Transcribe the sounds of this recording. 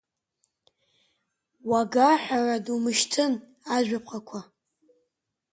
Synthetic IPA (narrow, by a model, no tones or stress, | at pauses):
waɡaħʷᶣaradumɨʃtʰɨn | aʒʷᶣap̚ʰqakʷʰa